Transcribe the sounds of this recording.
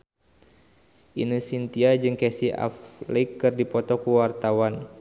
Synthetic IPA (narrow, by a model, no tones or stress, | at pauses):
ʔinɨsint̪iad͡ʒɨŋkɛsia̰flekːɨrdipɔt̪ɔkuwart̪awan